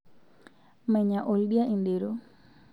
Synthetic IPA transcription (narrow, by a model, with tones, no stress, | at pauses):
mɛ̃˨ɲã˨ʔolɗi˦a˦ʔĩ˨ndi˨ɾu